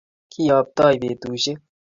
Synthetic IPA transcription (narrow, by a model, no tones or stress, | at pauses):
kʰiːjaːp̚t̪aːjbeːt̪uːɕe